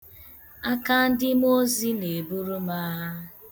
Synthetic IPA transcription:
a˦ka˦n̩˦dɪ˦m˦o˦zi˦ne˨bu˦ɾu˦ma˦ɦa˦

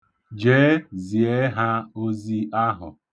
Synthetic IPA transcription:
d͡ʒeː˦zi˨e˦ɦa˦o˦zi˦a˦ɦʊ̰˨

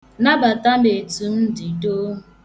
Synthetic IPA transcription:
na˦ba˨ta˦me˨tu˨m̩˦di˨do˦ɦ

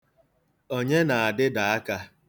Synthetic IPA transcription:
o˦ɲe˦na˨a˨dɪ˦da˨a˦ka˦

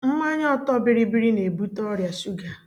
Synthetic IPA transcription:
m̩˦ma˦ɲ˦ɔ˦tɔ˦bɪ˨ɾi˦bi˦ɾi˦ne˨bu˦tɔ˦ɾja˨su˦ɡa˨

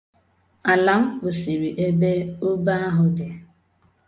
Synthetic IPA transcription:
a˨la˨˦m̩˦bʊ˨si˨ɾi˨ʔe˦be˦o˦ba˦a˦ɦʊ˨dɪ˨

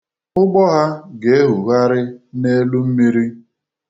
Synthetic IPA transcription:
ʊ˦ɡ͡bɔ˦ɦa˦ɡe˨e˦ɦu˨ɣa˦ɾɪ˦ne˦lu˦m̩˦mi˦ɾi˦

